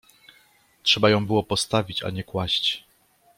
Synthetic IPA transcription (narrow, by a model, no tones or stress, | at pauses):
tʂɛbajɔ̃w̃bɘwɔpɔst̪avʲit͡ɕa̰ɲɛkwaɕt͡ɕ